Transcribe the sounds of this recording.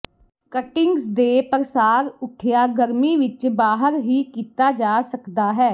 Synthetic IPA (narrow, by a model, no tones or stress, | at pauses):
kəʈɪ̃ŋɡsd̪eːpəɾəsaːɾʊʈʰjaːɡəɾmiːʋɪt͡ʃbaːɦəɾɦiːkiːt̪aːd͡ʒaːsəkd̪aːɦɛː